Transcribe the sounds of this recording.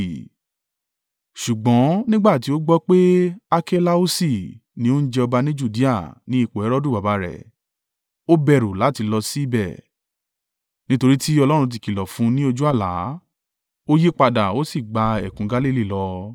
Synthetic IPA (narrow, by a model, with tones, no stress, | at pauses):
ʃu˨ɡ͡bɔ̃˨˦nĩ˦ɡ͡ba˦˨ti˨˦o˦ɡ͡bɔ˦k͡pe˦a˧kɛ˦la˦o˦si˦˨nĩ˧˦o˦n̩˦d͡ʒɛ˧ɔ˧ba˧nĩ˦d͡ʒu˦˨di˦a˦˨nĩ˦i˦˨k͡po˨ɛ˨˦ɾɔ˦du˦˨ba˨ba˨˦ɾɛ̰˨ | o˦bɛ˧˨ɾu˨la˨˦ti˧lɔ˧si˦i˦bɛ˦˨ | nĩ˦to˧ɾi˦ti˦ɔ˧lɔ˦ɾ̃ũ˧t̬i˧ki˨lɔ˨fũ˨˦nĩ˦o˧d͡ʒu˦a˦˨la̰˨˦ | o˦je˦k͡pa˧da˨o˦si˦˨ɡ͡ba˧ɛ̰˨kũ˨˦ɡa˧˦li˦˨li˦˨lɔ˧